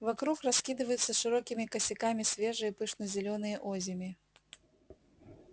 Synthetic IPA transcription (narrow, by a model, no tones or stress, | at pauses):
vakɾuxraskʲid̪ɨvəjʊt̪sɐʂɨɾɔkʲimʲikɐsʲɪkamʲisʲvʲeʐɨjɐpɨʂnɐzʲɪlʲɔnɨjəʔɔzʲɪmʲi